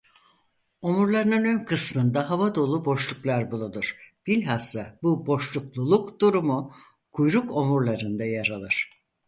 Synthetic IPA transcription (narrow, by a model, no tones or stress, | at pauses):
o̞muɾlˠaɾɯnɯnø̞nkʰɯsmɯnd̪aɦavad̪o̞lˠubo̞ʃlˠuklˠaɾbulˠud̪uɾ̥b̥ilʲɦasːabubo̞ʃlˠuklˠulˠukd̪uɾumu | kʰujɾuko̞muɾlˠaɾɯnd̪ajaɾalˠɯɾ̝̥